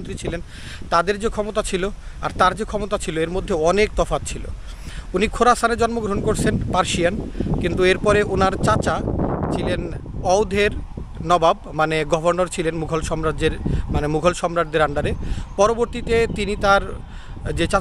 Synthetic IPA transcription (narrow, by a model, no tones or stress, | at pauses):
nt̪ɾit͡ɕʰilen | t̪ad̪eɾd͡ʑekʰɔmot̪at͡ɕʰilo | a̰ɾt̪aɾd͡ʑekʰɔmot̪at͡ɕʰiloeɾmod̪ʱːeɔnek̚t̪ɔfat̪t͡ɕʰilo̰ | unikʰoɾasʰaned͡ʑɔnmoɡɾoɦonkoɾt͡ɕʰenpaɾʃiankint̪ueɾpɔɾeonaɾt͡ɕat͡ɕat͡ɕʰilenɔwd̪ʱeɾ | nɔbab̚maneɡɔbʱoɾnoɾt͡ɕʰilenmuɡʱolʃɔmɾaeɾmanemuɡʱolʃɔmɾad̪d̪eɾaɳɖaɾepɔɾoboɾt̪it̪et̪init̪aɾ | d͡ʑet͡ɕa